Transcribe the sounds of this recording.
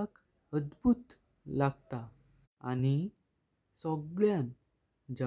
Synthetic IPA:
ak | əd̪bʱut̪ | laɡt̪a | a̰ni | sɔɡɭjan | d͡ʑa

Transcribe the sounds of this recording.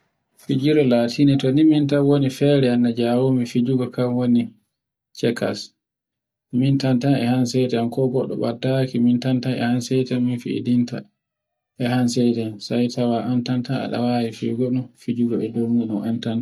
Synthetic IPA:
fid͡ʒiɾɔlaːtʰinitɔnimintanwonifɛɾɛanːad͡ʒawomifid͡ʒuɡɔkamwoni | t͡ʃɛka̰s | mintantanɛ̰hansɛtɛankɔɡɔɗːɔ̰ɓadːakimintantanɛ̰hansɛjtɛnminfḭḭdinta̰ | ʔɛhans̬ɛjtɛnsajtʰawaʔantantaa̰ɗa̰wajifiɡɔɗunfid͡ʒuɡɔɛd͡ʒomiɗɔmantantḁ

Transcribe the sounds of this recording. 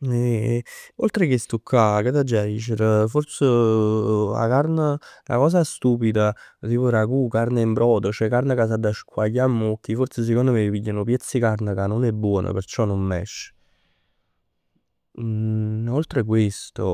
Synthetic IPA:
ɛ | olt̪ɾekest̪ukʰːwaket̪ːad͡ʒad̪iːt͡ʃeɾforsə | a̰karnəla̰kɔːsast̪uːpid̪at̪iːpoɾakukarneimbɾɔːd̪ot͡ʃɛkarnəkas̬ad̪ːaʃkʰwajːamːok̟ːifort̪ses̬ekond̪omepiʎːanopjɛt̪sːikarnəkanːonɛbːwɔːnʔə̰pert͡ʃɔnːommɛ̰ʃː | olt̪ɾekwest̪o

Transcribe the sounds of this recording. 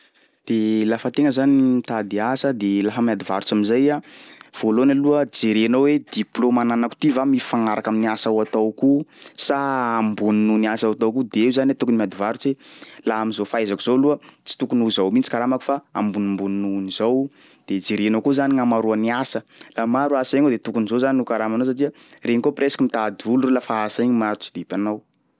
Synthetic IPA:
d̪̥elafət̪eŋəzanit̪ad̪iasəd̪elaɦəmad̪ivaɾut͡saminzajav̥olonaluəd͡ʒeɾenowed̪̥iplomananaku̥t̪ivamifaŋaɾakaminiasawat̪awkusaambuninuniasawat̪owkud̪eewzanwet̪ukunimʲad̪ivaɾut͡selaamizofaazakuz̥oluət͡si̥t̪ukunuzawmit͡si̥kaɾamaku̥faambunimbuninunizow | d̪̥et͡siɾenowkuzaniŋamaɾuaniasəlamaɾuaseŋod̪et̪ukunizozaninukaɾamanows̬aʈ͡ʂiə | reɲikopɾesḁkimit̪ad̪ulurulafaasaiɲmaɾut͡si̥d̪ipʲanaw

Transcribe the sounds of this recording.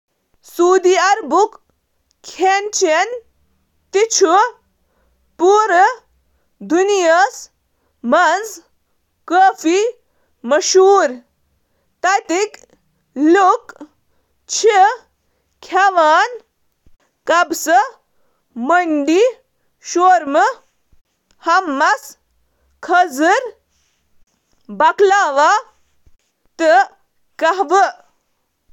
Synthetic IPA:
suːd̪iɐɾbuk | kʰːent͡ʃʰen | t̪it͡ʃʰu | puːɾ | d̪unijəs | mɐnd͡z | kəːfi | mɐʃuːɾ | t̪ɐt̪ik | luk | t͡ɕʰe | kʰaʋaːn | kɐbsə | məɳɖi | ʃoːɾmə | hɐmːɐs | kʰəd͡zɨɾ | bɐklaːʋa | t̪ə | kɐɦʋə

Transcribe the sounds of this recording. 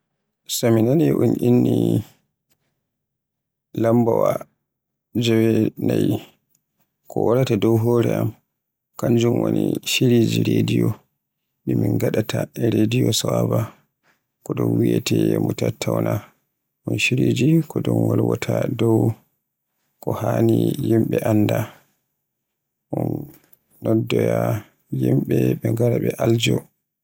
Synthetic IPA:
saminanɛʔunʔinːi | lambawa | d͡ʒɛwɛnaj | kʰɔwaɾatadɔwɦɔːɾɛʔam | kand͡ʒumwoniʃiɾed͡ʒiɾedijɔ | mimiŋɡaɗatʰaɾedijɔsawaba | kɔɗɔnwijɛtɛɛmutatʰːawna | ʔɔnʃiɾed͡ʒikɔdɔnwalwɔtʰadɔw | kɔhaːnijimɓɛʔanːda | ʔɔnː | ɔdːɔja | jimɓɛɓɛŋɡaɾaɓɛʔald͡ʒɔ

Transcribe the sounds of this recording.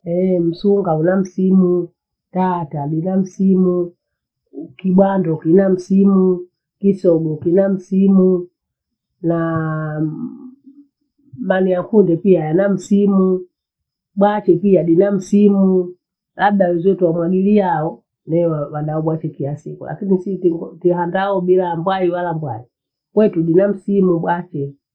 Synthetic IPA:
ɛm̩suŋɡaunam̩simu | tataɗinam̩simu | kiɓwandɔkinam̩simu | kisɔɓɔkinam̩simu | na | manijakundɛpiajanam̩simu | ɓwat͡ʃɛpiaɗinam̩simu | labdawɛzɛtuwamwaɡilijaɔ | nɛwwaɗaɔɓwat͡ʃɛkilasikṵla̰kinisittihandaɔbilambwaiwalambwai | kwɛtuɗinam̩simuɓwat͡ʃɛ

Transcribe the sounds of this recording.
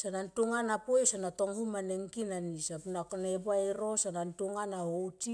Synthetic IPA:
sanantuŋanapojsanato̞ŋhumaneŋkinanisapnakonebaeɾo̞sanantuŋanahowti

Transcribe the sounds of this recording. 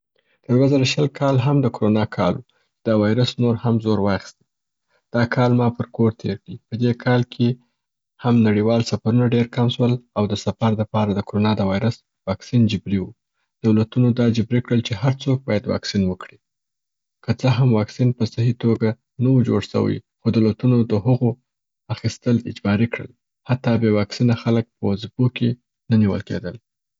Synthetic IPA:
d̪̥əd̪wazaɾaʃəlkʰɑlɦamd̪əkoɾonɑkʰɑ̰lwu | d̪əwɑjɾəsnoɾhamzoɾwɑxi̥st̪i̥ | d̪̥ɑkʰɑlmɑpəɾkoɾt̪ʰeɾd̪ipəd̪ekʰɑlkʰe | hamnaɽiwɑlsafaɾunaɖeɾkamʃwəlawd̪əsafaɾləpɑɾad̪əkoɾonɑd̪əwɑjɾəs | wɑksind͡ʒəbɾiwu | d̪̥awlat̪unod̪ɑd͡ʒɪbɾikɽəlt͡ʃehaɾt͡sok̚bɑjad̪wɑ̰ksinwəkɽi | kət͡səɦamwɑksinpəsahit̪oɡa | nawud͡ʒo̰ɽsə̰wḭxod̪əlat̪unod̪əɦəɣo | axist̪əlɪ̰d͡ʒbɑɾikɽə̰l | hat̪ːɑbewɑksinaxalək̚pəzipoke | naniwə̰lkḛd̪əl

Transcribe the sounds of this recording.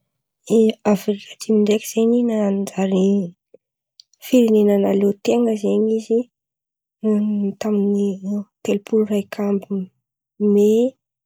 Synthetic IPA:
afrikatimiɳɖ͡ʐekʲi̥z̥eɲinand͡ʒaɾi | fiɾenenənalet̪eŋəzeɲizi | t̪aminit̪elpʰulrajkʰambi | me

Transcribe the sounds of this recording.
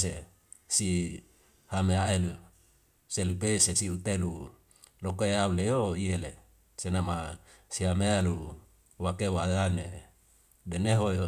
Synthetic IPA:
se | si | hameaelu | selupesesiut̪elu | lokoeaulejoiele | senama | siamealu | wakewadane | deneɦojo

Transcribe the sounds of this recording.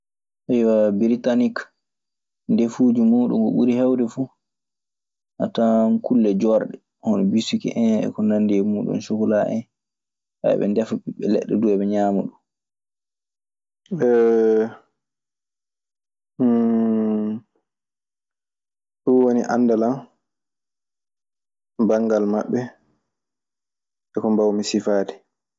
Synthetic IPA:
ʔajwabiɾitanik | ndefud͡ʒumuɗṵnɡɔɓuɾihɛwdɛfu | ʔatankʰulːɛd͡ʒɔɾɗɛ | hɔnɔbisukḭʔɛnɛ̰kɔnanːdiɛmuɗṵnsukɔlaʔɛ̰n | sa̰ɛ̰ɓɛ̰ndɛfuɓiɓːɛlɛ̰ɗːɛduɛɓɛɲaːmuɗun | ɛ | ɗuwoniʔanːdalam | baŋɡalmaɓːɛ | ɛkɔmbawmisifaːdɛ

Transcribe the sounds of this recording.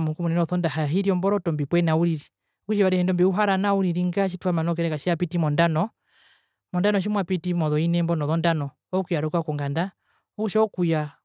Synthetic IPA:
mukumunɛnɔθɔndahaɦiɾiɔmbɔɾɔtɔmbipwɛnauɾiɾi | ukuʃiβaɾɛhɛndɔmbiuɦaɾanauɾiɾiŋɡaʃ̬ituhamanɔk̬ɛɾɛkaʃiapitimɔndanɔ | mɔndanɔʃ̬imwapitimɔðɔinɛmbɔnɔðɔndanɔ | ɔkujaɾɔkwakɔŋɡanda | uuʃɔɔkuja

